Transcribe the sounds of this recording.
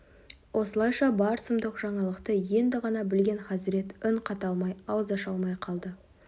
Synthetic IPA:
wʔo̞səlˠɑjʃɑbɑɾsəmd̪əqʒ̥ɑɴɑlˠəqt̪əje̞nd̪ɪʁɑnɑbɪlɡʲe̞nχɑsɪɾe̞t̪ɪɴqʰɑt̪ɑlˠmɑjɑwəzɑʃɑlˠmɑjqʰɑlˠd̪ə

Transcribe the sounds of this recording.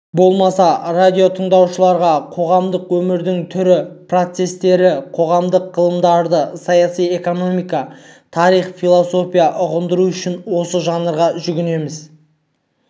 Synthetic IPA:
bo̞lˠmɑsɑrad̪ʲijo̞t̪ʰəɴd̪ɑwʃəlˠɑɾʁɑqʰo̞ʁɑmd̪əqwɵmɪɾd̪ɪŋt̪ʰʏɾɪpro̞t̪se̞st̪e̞ɾɪqʰo̞ʁɑmd̪əqːəlˠəmd̪ɑɾd̪əsɑjɑsije̞ko̞no̞mijkɑt̪ʰɑɾijχfilˠoso̞pʲijaʔʊʁənd̪əɾuʏʃɪnwo̞səʒɑnəɾʁɑʒʏɡʲɪne̞mɪz

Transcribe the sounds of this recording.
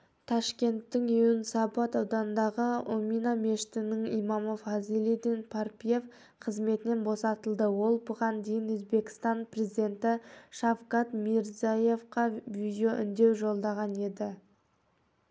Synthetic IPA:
t̪ʰɑʃkʲe̞nt̪ːɪŋeʊnəsɑpɑt̪ɑwd̪ɑnənd̪ɑʁəominame̞ʃɪ̥t̪ɪnɪŋimɑmofɑzilʲid̪inpʰarpʲije̞f | qʰəzme̞t̪ɪne̞nbo̞sɑt̪əlˠd̪əwo̞lˠbʊʁɑnd̪e̞jɪnwɵzbe̞kʲɪ̥st̪ɑnpre̞zid̪e̞nt̪ɪʃɑfqɑt̪miɾzaje̞fqɑviʒoʔʏ̰nd̪e̞wʒo̞lˠd̪ɑʁɑne̞d̪ɪ

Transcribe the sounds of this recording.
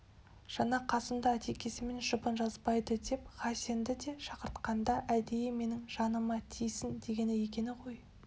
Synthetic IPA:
ʒ̥ɑnɑqʰɑsənd̪ɑæt̪ʰe̞kʲe̞sɪme̞nʃʊpənʒɑzbɑjd̪əd̪e̞pχɑse̞nd̪ɪd̪e̞ʃɑqəɾt̪qɑnd̪ɑʔæd̪e̞jɪme̞nɪŋʒ̥ɑnəmɑt̪ʰijsɪnd̪e̞ɡʲe̞nɪje̞kʲe̞nɪqʰo̞j

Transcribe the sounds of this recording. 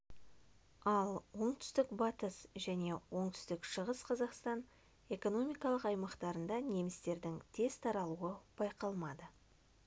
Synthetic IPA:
ɑlˠwo̞ɴt̪ʏ̥st̪ɪkbɑt̪əsʒæne̞wo̞ɴt̪ʰʏ̥st̪ɪkʃəʁəsqʰɑzɑqst̪ɑn | e̞ko̞no̞mijkɑlˠəqɑjmɑqt̪ɑɾənd̪ɑne̞mɪst̪e̞ɾd̪ɪŋt̪ʰe̞z̥t̪ʰɑɾɑlˠuəb̥ɑjqɑlˠmɑd̪ə

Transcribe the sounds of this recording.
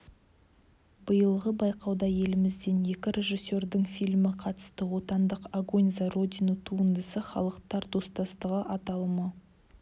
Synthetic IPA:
bəjəlˠʁəbɑjqɑwd̪ɑje̞lɪmɪzd̪enje̞kʲɪɾe̞ʒisːe̞ɾd̪ɪŋfijlʲmɪqʰɑt̪ə̥st̪əwo̞t̪ɑnd̪əqaɡo̞nʲzaro̞d̪ʲinut̪ʰuənd̪əsəχɑ̰lˠəqt̪ɑɾd̪o̞st̪ɑst̪əʁəʔɑt̪ɑlˠmə

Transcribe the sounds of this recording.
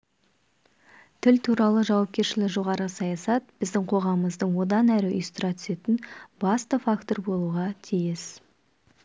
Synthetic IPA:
t̪ʰɪlt̪ʰuɾɑlˠəʒɑwɑp̚kʲe̞ɾʃɪlɪʒo̞ʁɑɾəsɑjɑsɑt̪̚b̥ɪzd̪ɪŋqʰo̞ʁɑməməzd̪əɴwo̞d̪ɑnæɾɪʏ̰jst̪ʊɾɑt̪ʰʏ̥se̞t̪ɪnbɑst̪əfakt̪o̞rbo̞lˠuʁɑt̪ʰijɪs

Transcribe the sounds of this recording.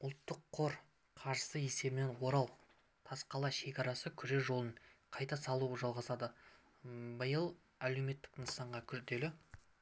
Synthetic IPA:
ʊlˠt̪ːəqʰːo̞ɾ | qʰɑɾʒəsəe̞se̞bɪne̞nwo̞ɾɑlˠ | t̪ʰɑsqɑlˠɑʃe̞kʲɑɾɑsəkʲʰʏɾe̞ʒo̞lˠəɴqʰɑjt̪ɑsɑlˠuʒɑlˠʁɑzɑd̪ə | bəjəlˠ | æle̞wme̞t̪ːɪknəsɑɴʁɑkʲʰʏɾd̪e̞lɪ

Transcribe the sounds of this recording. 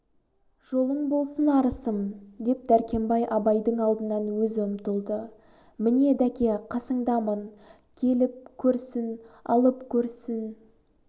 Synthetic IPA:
ʒ̥o̞lˠəɴbo̞lˠsənɑɾəsəmd̪e̞p̚d̪æɾkʲe̞mbɑjʔɑbɑjd̪əɴɑlˠd̪ənɑnwɵzɵmt̪əlˠd̪ə | mɪne̞d̪ækʲe̞qʰɑsəɴd̪ɑmən | kʲʰe̞lɪp̚kʲʰɵɾsɪnɑ̰lˠəpkʲʰɵɾsɪn

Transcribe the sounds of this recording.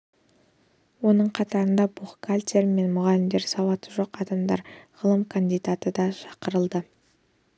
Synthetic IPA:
wo̞nəɴqʰɑt̪ɑɾənd̪ɑbuχkʰalʲt̪ʲeɾme̞nmʊʁɑlɪmd̪e̞ɾsɑwɑt̪əʒoqɑd̪ɑmd̪ɑ̰ɾʁəlˠəmkʰand̪ijd̪at̪əd̪ɑʃɑ̥qəɾəlˠd̪ə

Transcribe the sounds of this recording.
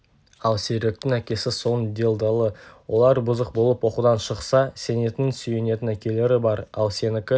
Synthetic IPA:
ɑlˠseɾek̚t̪ɪŋækʲe̞sɪso̞nd̪e̞lˠd̪əlˠəwʔo̞lˠɑɾbʊzəq̚bo̞lˠəpwo̞qud̪ɑnʃəqsɑse̞ne̞t̪ɪnsyje̞ne̞t̪ɪnækʲe̞le̞ɾɪbɑɾɑlˠse̞nɪkʲɪ

